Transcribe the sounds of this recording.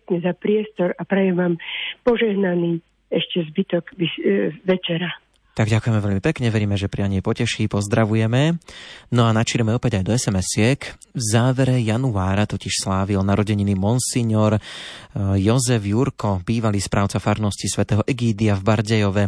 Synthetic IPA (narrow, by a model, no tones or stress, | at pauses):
kɲɛzapɾɪɛst̪ɔɾapɾɛjɛʋaːmpɔʒɛɦnaniː | ɛʃcɛzbit̪ɔɡʋiʋɛt͡ʃɛɾa | t̪aɡɟakujɛmɛʋɛʎmipɛkɲɛʋɛɾiːmɛʒɛpɾiaɲɛpɔcɛʃiːpɔzd̪ɾaʋujɛmɛnɔanat͡ʃiːɾɛmɛɔpɛɟajd̪ɔɛsɛmɛsɪɛk | vzaːʋɛɾɛjanuaːɾat̪ɔciʃslaːʋilnaɾɔɟɛɲinimɔnsiɲɔɾ | jɔzɛvjuɾkɔbiːʋaliːspɾaːʊt͡safaɾnɔscisʋɛt̪ɛːɦɔʔɛɡiːd̪iavbaɾɟɛjɔʋɛ